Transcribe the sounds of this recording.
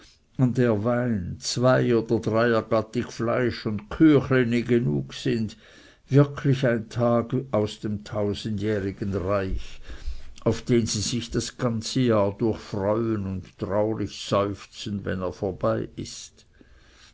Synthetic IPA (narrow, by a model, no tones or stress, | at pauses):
ʊndeːɐvaɪnt͡sv̥aɪoːd̥ɐdʁaɪɐɡɑtɪçflaɪʃʊndkʰyːxleniɡenṵːksɪnd | vɪɐkʰlɪçaɪntʰaːɡʔaʊsd̥eːmtʰaʊzən̩djɛːʁɪɡ̥ənʁaɪç | aʊfd̥eːnz̥iːzɪçd̥asɡ̥ant͡səjaːɐd̥ʊɐçfʁɔʏənʊnttʁaʊʁɪçz̥ɔʏft͡sən̩vɛ̰neːɐfoːɐb̥aɪʔɪ̰st